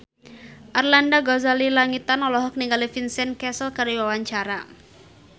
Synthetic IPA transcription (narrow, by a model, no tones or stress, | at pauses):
ʔarlandaɡɔzalilaŋit̪anɔlɔɦɔk̚niŋɡalifinsɛnkɛsəlkaɾiwawaɲt͡ʃaɾa